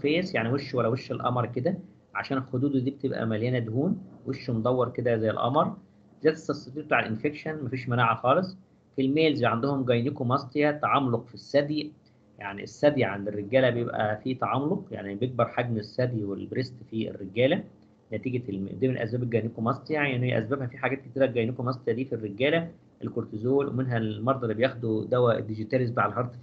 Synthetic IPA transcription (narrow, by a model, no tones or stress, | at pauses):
fæːsjaʕniweʃːuwælːæweʃːelʔɑ̰mɑɾˤked̪æ | ʕa̰ʃæːnelxod̪uːd̪d̪iːb̚et̪ebʔæ̰mæljæːnæd̪huːnweʃːumd̪ˤɑwːɑɾˤked̪æːzæjːḛlʔɑ̰mɑɾˤ | zæːt̪e̥sɑsːˤɑd̪iːbt̪uʕalʔenfekʃænmæfiːʃmænaːʕaxɑːlesˤ | filmeːlzæjʕand̪ohomɡæjnikomɑsˤt̪ˤjæt̪ɑʕɑmloqfisːæd̪i | jaʕnḭesːæd̪jʕand̪erːeɡæːlæbejebʔæ̰fiːt̪ɑʕɑmloqja̰ʕnibejeɡ̚bɑɾˤħaɡmesːæd̪jwelbɾest̪fiḛrːeɡæːlæ | næt̪iːɡemḛd̪æːmenelʔæsbæːbelɡæjnekomɑsˤt̪ˤejaʕiʔenːhejæ̰ʔæ̰sbæbhæfiħaɡæːt̪̚ket̪iːɾæɡæjnekomɑsˤt̪ˤejæd̪iːfirːeɡæːlæ | ʔelkoɾt̪ezoːlwʔḛmenɦælmɑɾˤd̪ˤɑɾibejæːxod̪ud̪æwæ̰d̪iɡit̪ælezt̪aːʕælɦɑɾˤt̪ˤ